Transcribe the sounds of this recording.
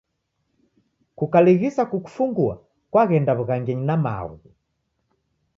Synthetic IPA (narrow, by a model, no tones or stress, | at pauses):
kukaliɣisakuku̥fuŋɡua̰ | kwaɣɛndaβuɣaŋɡɛɲinama̰ɣu